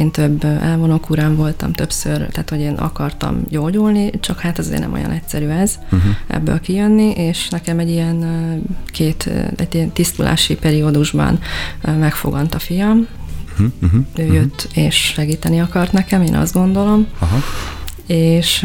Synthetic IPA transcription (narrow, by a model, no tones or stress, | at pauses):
eːnt̪øbːʔɛlvo̞no̞kuɾaːɱvo̞lt̪ɒ̰mt̪ø̞psørt̪aːt̪ho̞ɟeːnʔɒ̰kɒrt̪ɒ̰mɟoːɟulnit͡ʃɒkhaːt̪ɒzḛːrnɛ̰mo̰jɒ̰nɛcsɛɾyːɛz | ʔɛ̰bːø̰ːlkijønːiʔeːʃnɛkɛmɛɟːijɛnkʰeːt̪ɛ̰ɟiɛnt̪ist̪ulʔa̰ːʃipɛɾiod̪uʒbɒ̰nmɛkfo̞̰ɡɒnt̪ɒfijɒm | øːjøt̪ːeːʃʃɛɡiːt̪ɛniɒkɒrt̪nɛkɛmeːnɒ̰zd̪ɡo̞nd̪o̞lo̞mɦ | eːʃ